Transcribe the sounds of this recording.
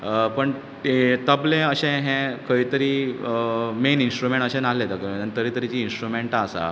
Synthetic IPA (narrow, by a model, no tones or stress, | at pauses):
pəɳ | t̪əblẽəɕɛ̃ɦɛ̃kəit̪əɾiː | meninsʈɾumẽɳʈəɕɛ̃nalet̪əkiənit̪əɾiːt̪əɾit͡ɕiːnsʈɾumeɳʈaːsa̰